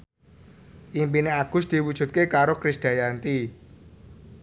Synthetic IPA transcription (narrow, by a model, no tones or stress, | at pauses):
ʔimpineaɡ̥ʊsd̪̥iwud̥ʒ̥ṳt̪̚kekaɾokɾɪsd̪̥a̤jant̪i